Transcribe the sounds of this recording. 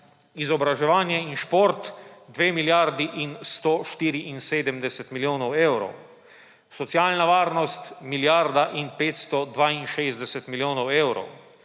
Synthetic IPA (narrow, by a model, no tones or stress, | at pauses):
izɔbɾaʒɛʋaːnjɛinʃpoɾt̪d̪ʋeːmiljaɾd̪iʔinst̪oʃt̪iːɾiʔinseːd̪əmd̪ɛsɛt̪miljoːnɔweːwɾɔ̰w | sɔt̪sialnaʋaːɾnɔst̪miljaɾd̪aʔinpeːt̪st̪ɔd̪ʋaːinʃeːzd̪ɛsɛt̪miljoːnɔweːwɾɔ̰w